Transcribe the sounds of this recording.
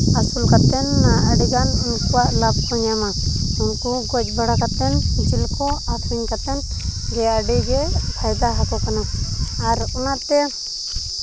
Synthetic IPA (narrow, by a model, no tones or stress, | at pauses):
asulkat̪ɛnːaaɖiɡanunkuaʔlab̚kɔɲjamaunkɔɡɔd͡ʒbaɽakat̪ɛnd͡ʒilkɔatʰɾiɲkat̪ɛn | ɡɛaɖiɡɛpʰajd̪aɦakɔkanaaɾunat̪ɛ